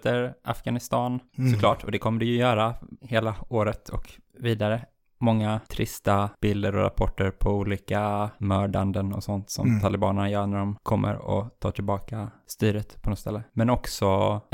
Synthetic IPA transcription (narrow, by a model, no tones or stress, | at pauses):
t̪ʰəɾʔa̰fɡ̥anɪst̪ɑːnsɔklɑ̰ːʈʰːɔd̪ɛkʰɔmːəɖɛjɵjœːɾaheːlaoːɾət̪ʰɔkviːd̪aɾə | mɔŋːat̪ʰɾɪst̪ab̥ɪld̪əɾɔ̰ɾa̰pʰɔʈːəɾpʰɔuːliːkamœːɖand̪ənɔ̰sɔnt̪sɔ̰mt̪ʰalɪbɑːnəɳajœːɳæɖɔmkʰɔmːʔə̰ɾɔ̰t̪ʰɑ̰ːʈ̪ʰɪlbɑːkast̪yːɾət̪pʰɔnɔst̪ɛ̰lːəmɛnɔksɔ